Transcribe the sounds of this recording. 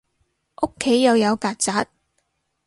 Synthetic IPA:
ʔo˥kʰːe˨˥jːɐ˨˧wjɐ˨˧wkaː˨˧t̚t͡saː˨˥t̚

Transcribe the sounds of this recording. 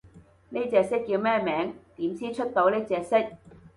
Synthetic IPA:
neː˥t͡sɛː˧ksɪ˥k̚ːiː˧wmɛː˥˩mɛː˨˥ŋt̪iː˨˥mt͡sʰiː˥t͡ʃʰɵ˥t̚t̪o˨˥wneː˥t͡sɛː˨k̚sɪ˥k̚

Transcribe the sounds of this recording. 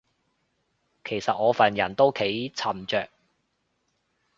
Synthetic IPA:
kʰe˨˩jsɐ˨t̚ŋɔː˨˧fɐː˨njɐ˨˩nt̪o˥wkʰe˨˥jt͡sʰɐ˨˩mt͡ʃœː˨k̚

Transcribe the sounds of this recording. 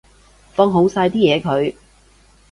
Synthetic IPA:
fɔː˧ŋɦo˨˥wsaː˧jt̪iː˥jɛː˨˧kʰɵ˨˧ɥ

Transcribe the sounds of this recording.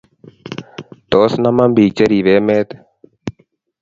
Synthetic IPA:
t̪o˨˦snama˦mbiː˨k̚t͡ʃɐ˦ɾi˨ʋeː˦meː˦t̪

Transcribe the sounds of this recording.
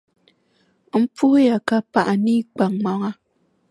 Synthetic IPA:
m̩˦pu˦hja˨ka˦pa˨ʔa˨ni˦k͡pa˨ŋma˨ŋa˦

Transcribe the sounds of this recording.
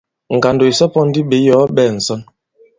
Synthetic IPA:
ŋ̩˨ka˨ndo˨i˨sɔ˦pɔ˦n̩˦di˦ɓe˨˦jɔ˨˦ɓɛ˦˨n̩˨sɔ˦n

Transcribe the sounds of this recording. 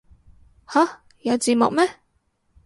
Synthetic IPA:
ha˨˥ | jɐ˨˧wt͡siː˨˧mʊ˨k̚mɛ˥

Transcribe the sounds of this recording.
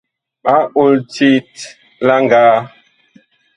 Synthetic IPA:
ɓa˦o˦˨lti˦t | la˦ŋɡaː˨˦

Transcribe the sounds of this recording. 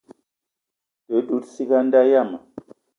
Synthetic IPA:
tə˨˦ɗu˨˦tsi˦ɡa˦nda˦ja˦˨ma˨

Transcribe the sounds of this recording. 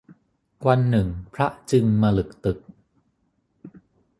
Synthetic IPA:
wa˧nːɯ˨˩ŋpʰɾa˦˥ʔt͡ɕɯ˧ŋmaː˧lɯ˨˩k̚t̪ɯ˨˩k̚

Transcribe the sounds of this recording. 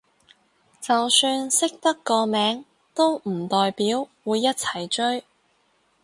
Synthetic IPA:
t͡sɐ˨wsyː˧nsɪ˥k̚t̪ɐ˥kːɔː˧mɛː˨˥ŋ | t̪o˥wm̩˨˩t̪ɔː˨jpiː˨˥wwuː˨˧jːɐ˥t̚t͡sʰɐ˨˩jt͡ʃɵ˥ɥ

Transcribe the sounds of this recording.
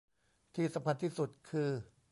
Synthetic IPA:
t̪ʰiː˥˩sa˨˦mkʰa˧nt̪ʰiː˥˩su˨˩t̪̚kʰɯː˧

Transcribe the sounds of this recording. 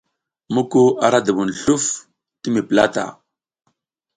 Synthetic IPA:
mu˦ko˦ʔa˨ɾa˦da˨wu˨n˨ɬu˦f | ti˦mi˨pla˦ta̰˨

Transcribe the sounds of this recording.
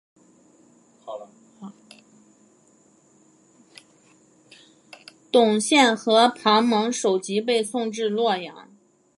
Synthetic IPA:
t̪ʊ˨˩ŋɕjɛ˥˩nxɤ˧˥pʰɑ˧˥ŋmɤ˧˥ŋʂo˨˩ʊt͡ɕi˧˥p̬e˥˧ɪsʊ˥˧ŋʈ͡ʂɻ̩˥˧lwɔ˥˩jɑ̰˨˩˥ŋ

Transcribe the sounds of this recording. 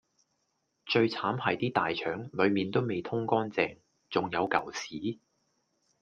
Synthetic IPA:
t͡ʃɵ˧ɥt͡sʰaː˨˥mhɐ˨jt̪iː˥t̪aː˨jt͡ʃʰœː˨˥ŋlɵ˨˧ɥmiː˨nt̪o˥wme˨jt̪ʰʊ˥ŋkɔː˥nt͡sɛː˧ŋ | t͡sʊ˨ŋjɐ˨˧wkɐ̰˨˩wsiː˨˥

